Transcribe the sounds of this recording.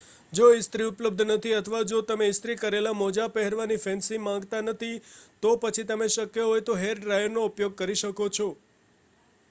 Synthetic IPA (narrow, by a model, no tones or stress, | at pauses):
d͡ʒoɪst̪ɾiʊpləb̚d̪ʱnət̪ʰiət̪ʰəʋad͡ʒot̪əmeɪst̪ɾikəɾelamɔd͡ʒapɛɦɛɾʋanifɛnsimãŋɡt̪anət̪ʰit̪opət͡ʃʰit̪əmeʃəkjeɦojt̪oɦeɾɖɾajəɾnoupjoɡ̚kəɾiʃəkot͡ʃʰɔ